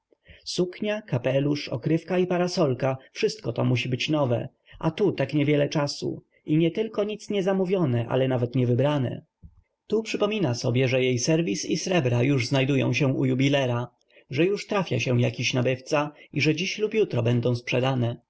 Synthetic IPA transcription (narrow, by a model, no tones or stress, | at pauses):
sukɲakapɛluʂɔ̰kɾɘfkaipaɾasɔlkafʂɘst̪kɔt̪ɔmuɕibɘt͡ɕnɔvɛ̰ | ʔa̰t̪ut̪akɲɛvʲjɛlɛt͡ʂasṵ | ʔiɲɛt̪ɘlkɔɲit̪sɲɛzamuvʲjɔnɛʔa̰lɛnavɛt̪ɲɛvɘbɾanɛ̰ | t̪upʂɘpɔmʲinasɔbʲjɛʐɛjejsɛɾvʲisisɾɛbɾajuʐznajd̪ujɔ̰̃w̃ɕɛ̃ṵjubʲilɛɾa | ʐɛjuʂt̪ɾafʲja̰ɕɛjakʲiɕnabɘft̪saiʐɛd͡ʑiɕlupjut̪ɾɔbɛnd̪ɔ̃w̃spʂɛd̪anɛ